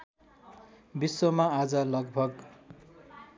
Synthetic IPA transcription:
biswomaad͡zʌlʌɡbʱʌɡ

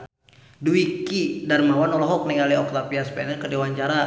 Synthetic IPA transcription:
duikidarmawanɔlɔɦɔk̚nɛŋaliɔk̚t̪apiaspɛnɛrkədiwaɲt͡ʃaɾa

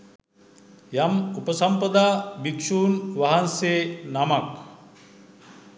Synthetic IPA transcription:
jamupəsɐmpɐd̪aːbikʂuːnʋaɦansenamak

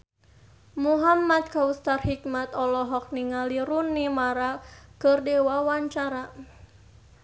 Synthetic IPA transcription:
muɦamat̪̚kaust̪arhik̚mat̪ɔlɔɦɔk̚niŋaliɾunːimaɾakɨrdɛwawaɲt͡ʃaɾa

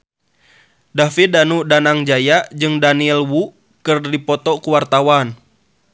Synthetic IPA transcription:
dafidanudanaŋd͡ʒajaʔd͡ʒɨŋdaniɛlwu | kɨrdipɔt̪ɔkuwart̪awan

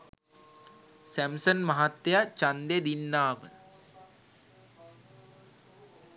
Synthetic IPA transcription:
sæmsənmaɦat̪ːejat͡ɕand̪ed̪inːaːmə̰

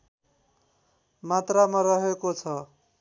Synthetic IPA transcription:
mat̪ramʌɾʌɦekot͡sʰʌ

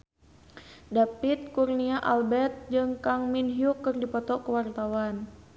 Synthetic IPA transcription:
dapit̪̚kurniaʔalbɛt̪̚d͡ʒɨŋkaŋminɦiukːɨrdipɔt̪ɔkəwart̪awan

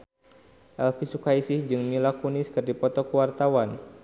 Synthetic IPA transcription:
ʔɛlfisukaisihd͡ʒɨŋmilakuniskɨrdipɔt̪ɔkuwart̪awan

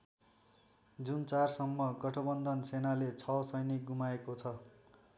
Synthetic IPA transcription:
d͡zunt͡sarsʌmːʌɡʌʈʰʌbʌnd̪ʱʌnsenalet͡sʰʌsʌjniɡumaekot͡sʰʌ

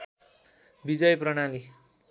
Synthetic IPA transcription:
bid͡zʌjprʌɽ̃ali

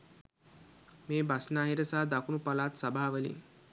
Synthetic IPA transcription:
meːbasnaːɦiɾəsaɦad̪akunupalaːt̪sabʱaːaʋəlḭ

